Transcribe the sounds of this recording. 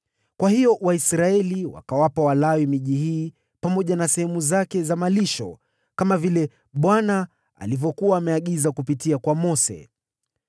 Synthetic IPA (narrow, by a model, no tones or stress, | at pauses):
kwahiɔwaisɾaɛliwa̰kawapawalawimiʄihiː | pamɔʄanasɛhɛmuzakɛzamaliʃɔ̰ | kamavilɛ | ɓwana | a̰livɔkuaːmɛaɠizakupitiakwamɔsɛ̰